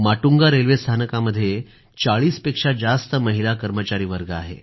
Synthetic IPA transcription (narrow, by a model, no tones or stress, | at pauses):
maʈuŋɡaɾelʋest̪ʰanəkaməd̪ʱːje | t͡saɭiːspekʂad͡zast̪əməɦilakəɾmət͡ɕaɾiːʋəɾɡəa̰ɦḛ